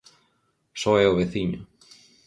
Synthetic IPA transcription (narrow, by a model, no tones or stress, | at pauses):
sɔɛoβeθiɲʊ̰